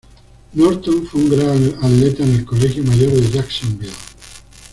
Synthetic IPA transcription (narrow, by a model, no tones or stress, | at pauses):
noɾt̪oɱfweuŋɡɾaaðlet̪aenelkolexjomaʝoɾðeʒaksõmbil